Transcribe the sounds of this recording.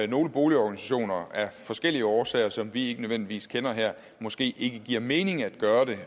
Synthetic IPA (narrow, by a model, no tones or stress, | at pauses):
no̝ːləb̥o̝ːliɒɡ̥ænisæɕo̝̰ːnɐæɐfɒ̽sɡ̥el̰iəɒːsɛ̰ːɐsɒ̽mʋie̝ɡənøʋen̰d̥iʋḭːskʰenɐɦæɐ̰ | mɒ̽sɡ̥e̝̰ːʔe̝ɡ̥əɡ̥iɐ̰me̝ːne̝ŋæd̥ɡ̥ɶːɐd̥e̝